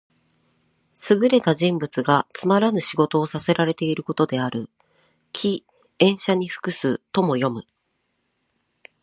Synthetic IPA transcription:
sɨɡɯ̟ɾe̞t̪aʑĩmbɯ̟t͡sɨɡat͡sɨmaɾanɨɕiɡo̞t̪o̞ːsase̞ɾaɾe̞t̪e̞iɾɯ̟ko̞t̪o̞d̪e̞aɾɯ̟ | kʲʰi | ẽ̞ɰ̃ɕaɲ̟iɸɯ̥kɯ̟sɨt̪o̞mo̞jo̞mɯ̟

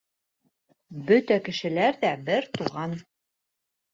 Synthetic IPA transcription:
bɵt̪ækɘ̆ʃɘ̆læɾðæbɘɾt̪uʁɑn

